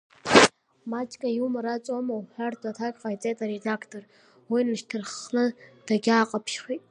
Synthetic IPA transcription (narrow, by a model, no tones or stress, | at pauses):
mat͡ʃʼkʰʼajumɨɾat͡sʼomɐwħʷartʼɐtʰakʲʼfajt͡sʼetʰʼaɾedakʰtʰor | winɨʃtʰɨrχnɨd̥ɐɡʲaːqʼɐpʰʃχiːt